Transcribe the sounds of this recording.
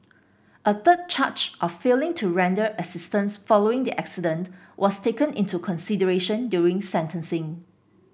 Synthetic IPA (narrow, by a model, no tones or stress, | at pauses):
ʔət̪əd̚t͡ʃʰat͡ʃʔɔffelɪ̃ŋtʰuɹɛ̃ndəʔəsɪstə̃nsfɔloɪ̃ŋdiʔæksidə̃ntwʔɔstekə̃nɪ̰̃ntukʰɔ̃nsidəɹeʃə̃ndjuɹɪ̃ŋsɛ̃ntə̃nsɪ̃ŋ